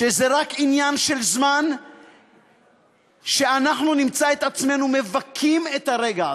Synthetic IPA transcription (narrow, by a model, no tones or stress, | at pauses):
ʃezeʁakinjanʃe̞lzman | ʃe̞anaχnunimt͡sae̞t̪at͡sme̞nume̞vakʰime̞t̪haʁe̞ɡa